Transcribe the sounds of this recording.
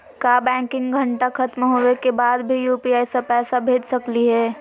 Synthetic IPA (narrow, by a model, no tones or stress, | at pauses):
kaːbɛ̃ːkɪ̃ŋɡɡʱɐ̃ɳʈakʰɐt̪mɦoːekebaːd̪bʱijuːpiaːɪsapɛːsabʱeːd͡ʒsɐkliɦɛː